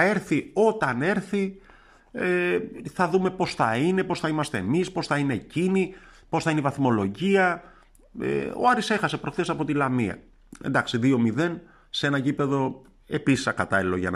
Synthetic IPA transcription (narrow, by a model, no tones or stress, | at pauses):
e̞ɾθio̞t̪ɐne̞ɾθi | eθɐðume̞po̞sθɐine̞po̞sθɐimɐst̪e̞ːmispo̞sθɐine̞ːcini | po̞sθɐineivɐθmo̞lo̞ʝiɐ | ḛo̞̰ɐɾise̞xɐse̞pɾo̞xθe̞sɐpo̞t̪ilɐmiɐ̰ | end̪ɐksiðio̞miðe̞n | see̞nɐɟipe̞ðo̞ | e̞pisi̥sɐkɐt̪ɐlilo̞ʝɐ̰n